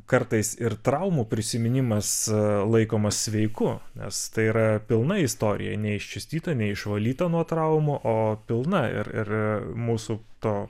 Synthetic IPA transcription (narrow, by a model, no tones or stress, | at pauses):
kɐɾt̪ɐɪsɪɾt̪ɾɐʊmuːpʲɾʲɪsʲɪmʲɪnʲɪmɐslˠɐɪkoːmɐssʲʋʲɛɪkʊnʲɛ̰st̪ɐɪiɾɐpʲɪlˠnɐɪst̪oːɾʲɪ̰jɛ̰nʲɛɪʃʲt͡ʃʲʊsʲt̪ʲiːt̪ɐnʲɛɪʃʋɐlʲiːt̪ɐnuɔt̪ɾɐʊmʊʔoːpʲɪlˠnɐɪ̰ɾɪ̰ɾmuːsut̪oː